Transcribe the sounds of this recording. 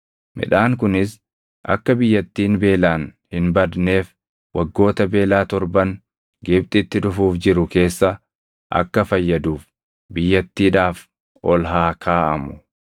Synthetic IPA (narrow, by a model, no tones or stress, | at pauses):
mɪ̰ᶑaːŋkʊnɪs | ʔɐ̰kːɐbɪjːɐt̪ːiːnbe̞ːlaːnhɪnbɐd̪ne̞ːf | wɐɡːo̞ːt̪ɐbe̞ːlaːt̪ɔɾbɐn | ɡɪb̚t̪ʼɪt̪ːɪᶑʊfuːfd͡ʒɪɾʊke̞ːsːɐ | ʔɐ̰kːɐfɐjːɐd̪uːf | bɪjːɐt̪ːiːᶑaːf | ʔɔlɦaːkʰaːʔɐ̰mʊ̥